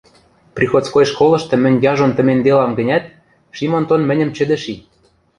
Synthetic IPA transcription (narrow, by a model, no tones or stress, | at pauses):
prʲixot͡skoj̆ʃkolɤ̆ʃt̪ɤ̆mɘ̆nʲjɑʒont̪ə̆mend̪elɑmɡɘ̆nʲæt̪̚ | ʃimont̪onmɘ̆nʲə̆mt͡ɕɘ̆d̪ɘ̆ʃi